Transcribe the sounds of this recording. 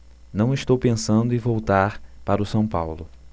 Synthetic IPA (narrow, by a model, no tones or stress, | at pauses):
nɐ̃w̃ɪʃt̪owpẽsɐ̃nd̪ʊɪvowt̪aɾpaɾʊsɐ̃w̃pawlʊ